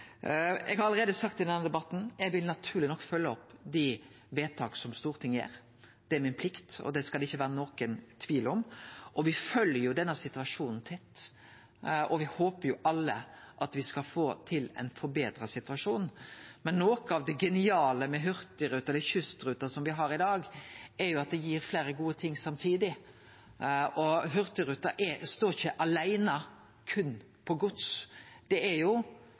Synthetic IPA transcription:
ɛ̰ɡhɑɾɑləɾeːd̪əsɑkt̪ɪɛnəd̪ɛbɑt̪ːn̩ɛɡʋɪlnɑt̪ʰʉːɾlɪnɔkːfœlːəɔpːd̪ɪ | ʋeːt̪ʰɑːksɔmst̪uːɾət̪ʰɪŋːjḛːɾ | d̪̥ɛæɾmɪnpʰlɪkt̪ɔ̰d̪ɛskɑlɪçːəʋæːɾənoːkənt̪ʰʋiːlɔmʔɔʋɪfœljəjʊd̪ɛnːəsɪt̪ʉʋɑʂuːnn̩t̪ʰɛt̪ː | ʔɔʋɪhoːpəɾjʊʔɑlːə̰ʔɑt̪ʋɪskɑfoːt̪ʰɪlɛ̰ɪnfɔɾbeːd̪ɾəsɪt̪ʉɑʂuːnmɛnːoːkəɑʋd̪ɛɡɛnɪɑːləmɛɦʏɾt̪əɾʉːt̪ɑɛləçʉst̪ɾʉːt̪ɑsɔmʋɪɦɑɾɪd̪ɑːɡɛɾjʊɑt̪̚d̪ɛjiːɾfleːɾəɡuːət̪ʰɪŋːsɑmt̪ʰiːd̪ɪ | ɔɦʉɾt̪əɾʉːt̪ɑʔɛɾst̪oːɪçəʔɑlæɪnə | kʰʉnː | pʰɔɡʊt̪sd̪̥ɛɛɾjʊ

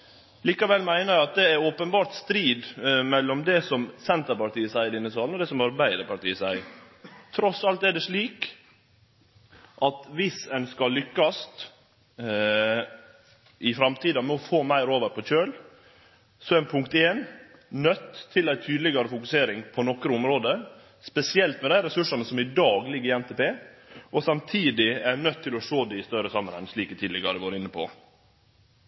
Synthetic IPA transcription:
liːkɑʋɛlmæɪnəɾjæɑt̪̚d̪ɛæɾopənbɑːɾt̪st̪ɾiːd̪mɛlːɔmd̪ɛsɔmsɛnt̪əɾpɑʈ̪iːəsæɪəd̪ɪnːəsɑːln̩ɔd̪ɛsɔmɑɾbæɪd̪əɾpɑʈ̪ḭːəsæɪ | t̪ʰɾɔsɑlt̪æɖɛʂɭiːk | ʔɑt̪ʋɪsɛnskɑllːʏkːɑst̪ | ʔɪfɾɑmt̪ʰiːd̪ɑmɛɔfoːmæɪɾoːʋəɾpʰɔc͡çøːl | sɔɛnpʰʉŋk̚t̪eːnnœt̪ʰːɪlæɪt̪ʰyːd̪lɪɡɑɾəfʊkʉseːɾɪŋpʰɔnɔkɾəʊmɾoːd̪ə | spɛsɪɛlt̪mɛd̪æɪɾɛsʉʂɑnəsɔmɪd̪ɑːɡlɪɡːəɾɪɛnt̪ʰɛpeːʔɔsɑmt̪ʰiːd̪ɪænœt̪ʰːɪlɔʂoːd̪ɛɪst̪œɾəsɑmːənɛnʂɭiːkət̪ʰiːd̪lɪɡɑd̪ɛʋɑːɾəɪnːəpʰɔ̰

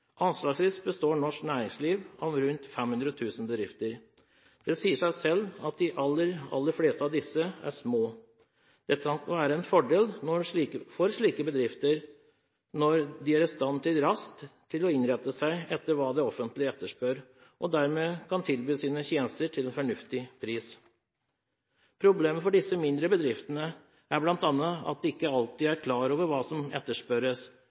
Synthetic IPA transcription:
ʔɑnslɑːɡsʋiːsbəst̪oːɳɔʂknæːɾɪŋsliːʋɑʋɾʉnt̪fɛmhʉnd̪ɾɔt̪ʰʉːsən̩bəd̪ɾɪft̪əɾ | d̪̥ɛsiːəʂæɪsɛlːɑt̪̚d̪ɪʔɑlːəɾɑ̰lːəɾfleːst̪əɑʋd̪ɪsːəæ̰ʂmoː | d̪̥ɛt̪ːəkʰɑnʋæːɾəɛnfɔɖeːlnɔɾifɔɾʂɭiːkəbəd̪ɾɪft̪əɾ | nɔɾd̪ɪæɾst̪ɑnt̪ʰɪlɾɑskt̪ʰː | ɪlɔɪnɾɛt̪ːəsæɪɛt̪ːəɾʋɑːd̪ɛɔfənt̪lɪɛt̪ːəʂpøɾ | ʔɔd̪æɾmeːkʰɑnt̪ʰɪlbyːsiːnəçeːnəst̪əɾʈʰɪlɛnfɔɳʉft̪ɪpʰɾiːs | pʰɾʊbleːməfɔɖɪsːəmɪnd̪ɾəbəd̪ɾɪft̪ənə | ʔæɾblɑnt̪ɑnːəɑ̰t̪̚d̪ɛɪkːəɑlt̪iːæɾkʰlɑːɾoːʋəɾʋɑːsɔmɛ̰t̪ːəʂpœɾəs

